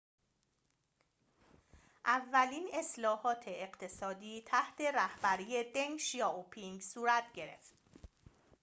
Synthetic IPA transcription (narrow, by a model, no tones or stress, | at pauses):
ʔævːæliːne̞slɒːhɒːt̪ʰe̞eɢt̪ʰe̞sɒːd̪iːt̪ʰæht̪ʰe̞ɾæhbæɾiːjed̪eŋʃijɒːopʰiŋɡsuːɾæt̪ʰɟe̞ɾe̞̰ft̪